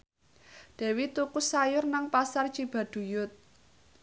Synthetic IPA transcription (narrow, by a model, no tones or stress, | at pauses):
d̪̥ɛ̤wit̪ukʊsːajʊrnaŋpasart͡ʃib̥a̤d̪̥ṳjʊt̪̚